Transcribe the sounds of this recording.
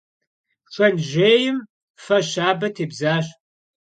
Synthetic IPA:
ʂʷɐnʒeːjɪm | fɐɕaːbɐtʰeːbzaːɕ

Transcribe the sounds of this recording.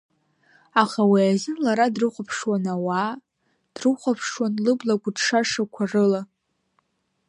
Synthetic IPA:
aχawiazɨnlaɾadrɨχʷapʰʂwanawa | d̥rɨχʷapʰʂwanlɨblaɡʷʊdʂaʂakʷʰarɨla

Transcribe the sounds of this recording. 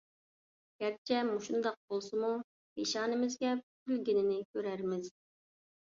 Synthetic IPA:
ɡ̥ʲɛɾt͡ʃʰɛmuʃund̪ɑq̚bolˠsɨmu | meʃɑːnɪmɪzɡʲɛ | ylɡʲinɪnɪkʲʰøɾæɾmɪz̥

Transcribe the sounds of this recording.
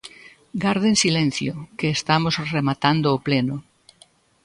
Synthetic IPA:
ɡaɾðensilẽn̟θjokeːst̪amosremat̪and̪oːpleno

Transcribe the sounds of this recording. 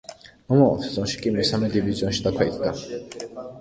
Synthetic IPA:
mɔmaɔ̰t̪ʰzɔ̃nʃi̥kʼimɛsamɛd̪iviziɔ̃nʃi̥d̪akʰɛit̪ʰk̪a

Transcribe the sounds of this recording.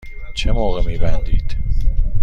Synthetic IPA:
t͡ʃʰemoːɣemiːbænd̪ḭːd̪̥

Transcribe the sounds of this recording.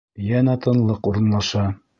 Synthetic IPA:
jænæt̪ɤ̆nlˠɤquɾɤ̆nlˠɑʃɑ

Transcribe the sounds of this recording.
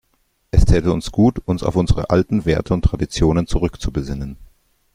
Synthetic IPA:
ʔɛstʰɛːltəʊnsɡ̥uːtʊnsa̰ʊfʔʊnzəʁə̰ʔaltn̩veːɐtʰəʊntːʁ̥adit͡sjoːnənt͡suʁʏkt͡subəzɪnən

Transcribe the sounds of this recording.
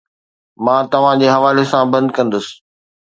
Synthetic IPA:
mãːt̪ɐʋ̤ãd͡ʑeːɦɐʋaːlesãbɐ̃nd̪kɐ̃nd̪əsɪ̥̆

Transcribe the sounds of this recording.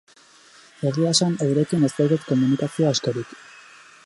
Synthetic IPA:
e̞ɣiasaneɾe̞kine̞st̪awðek̪ko̞munikasioaskeɾik

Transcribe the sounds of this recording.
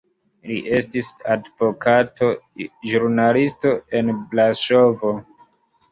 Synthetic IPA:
lḭʔe̞stisadvo̞kʰato̞ʒuɾɾnalisto̞e̞nblaʃo̞vo̞

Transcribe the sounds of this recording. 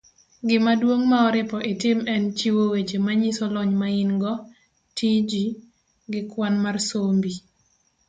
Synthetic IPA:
ɡɪmadwoŋmaɔɾɪpɔʔetɪmɛnt͡ʃiwowed͡ʒemaɲisɔlɔɲmaɪnɡɔ | tʰid͡ʒi | ɡɪkwanmarsombi

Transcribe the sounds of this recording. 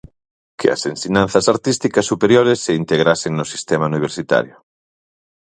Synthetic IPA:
kʰḛa̰sensiɲãn̟θasaɾt̪ist̪ikasːupeɾjoɾesːeint̪eɣ̞ɾaseŋnosi̥st̪emauniβ̞eɾsit̪a̰ɾjʊ

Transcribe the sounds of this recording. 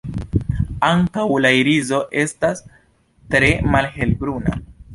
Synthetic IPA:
aŋkawlaiɾizo̞ʔe̞stas | tɾe̞malɦe̞lbɾuna̰

